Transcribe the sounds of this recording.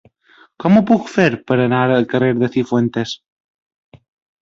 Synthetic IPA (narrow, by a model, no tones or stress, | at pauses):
kɔmupukfeɾpəɾənaɾəlkəreɾðəθifwent̪es